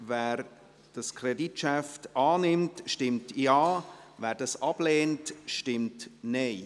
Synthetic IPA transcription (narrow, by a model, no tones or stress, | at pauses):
vɛːɾ | d̥ɑskʰreditʃɛftaːnɪmtʃtɪmtjaːvɛːɾdɑsɑb̥leːntʃtɪmtneɪ